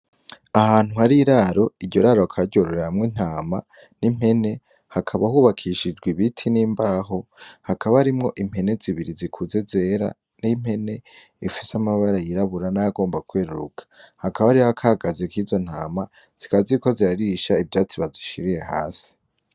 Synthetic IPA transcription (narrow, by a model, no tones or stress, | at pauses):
ahaːn̥uhaɾiɾaɾo̞iɾɟoɾaːɾokʰaɟoɾoɾeaamŋin̥aːma̰ | nim̥he̞ne̞ | hakʰaβahuβakʰiʃid͡ʒɡwiβitʰiniːmbaːɦo̞hakʰaβaaɾimŋo̞ʔim̥he̞ne̞ziβiɾizikʰuze̞ze̞ːɾa̰ | nim̥he̞ne̞ | ifisamaβaɾajiɾaβuɾanajaɡo̞ːmbakweːɾuɾṵkʰḁhakaβaɾiaakʰaɡazekiːzo̞n̥aːma | z̥ikaβaziɾiko̞ziaɾiʃaivjaːt͡siβaziʃiɾije̞ha̰ːsi̥